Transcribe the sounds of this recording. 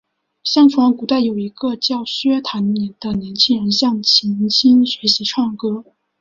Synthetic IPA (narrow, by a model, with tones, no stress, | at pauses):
ɕjɑ˥ŋfwɑ˧˥ŋku˨˩t̪a˥˩ɪjo˨˩ʊi˧˥ɡə˧t͡ɕjɑ˥˩ʊɕɥɛ˥t̪ʰa˧˥nni˨˩d̪̥ə˧njɛ˧˥nt͡ɕʰi˥ŋɻə˧˥nɕjɑ˥˩ŋt͡ɕʰi˧˥nt͡ɕʰi˥ŋɕɥɛ˧˥ɪɕi˧˥ʈ͡ʂʰwɑ˥˩ŋkɤ˥